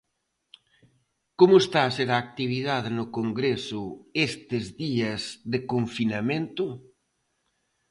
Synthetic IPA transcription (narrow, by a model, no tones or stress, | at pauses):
komʊest̪aːseɾaːk̚t̪iβ̞iðaðɪnʊkoŋɡɾesʊest̪ɪzðiɐzðɪkoɱfinamẽnt̪ʊ